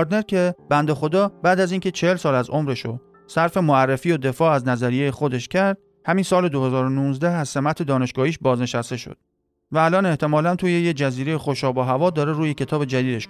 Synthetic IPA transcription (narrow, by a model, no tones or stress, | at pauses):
ɾd̪ne̞ɾcʰʲeb̥ænd̪exo̞d̪ɒːbæːd̪æziːncʰe̞t͡ʃʰehelsɒːlæzo̞mɾe̞ʃo | sæɾfe̞moærːefiːod̪e̞fɒːæznæzæɾije̞jexod̪e̞ʃcʰæɾd̪̥̚ | hæminsɒːle̞d̪ohe̞zɒːɾonuːnzd̪æhæzse̞mæt̪ʰe̞d̪ɒːne̞ʃɡɒːhiːʃbɒːzne̞ʃæst̪e̞ʃo̰d̪̥̚ | væːlɒːne̞ht̪ʰe̞mɒːlænt̪ʰuːje̞jed͡ʒæziːɾejexoʃɒːbɒːɦævɒːd̪ɒːɾeɾuːjecʰe̞t̪ʰɒːbe̞d͡ʒæd̪iːd̪eʃ